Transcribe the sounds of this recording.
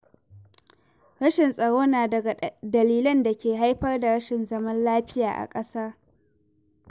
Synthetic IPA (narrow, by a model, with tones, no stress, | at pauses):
ɽɐ˦ʃɪ˨nsʼɐ˨ɽoː˦naː˨dɐ˨ɡa˨dɐ˨liː˦lɐ˦nda˨kʲeː˨ɦa˦jɸɐ˦rda˨ɽɐ˦ʃɪ˨nzɐ˦mɐ˦nlaː˦ɸɪ˦jaː˨ʔa̰˨kʼɐ˦saː˦